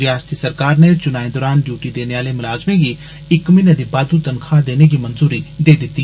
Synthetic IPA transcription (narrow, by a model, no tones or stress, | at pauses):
ɾɪjaːst̪isɐɾkaːɾnet͡ʃʊnaːẽd̪ɔːɾaːnɖjuːʈid̪eːneaːlemʊlaːzmẽɡiː | ɪkmɪ̃ned̪ibaːd̪ut̪ɐnkʰaːd̪eːneɡimɐnzuːɾid̪eːd̪ɪt̪ːiː